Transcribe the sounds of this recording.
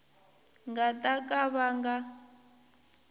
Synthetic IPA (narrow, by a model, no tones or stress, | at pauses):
ŋɡatʼakʼaβaŋɡa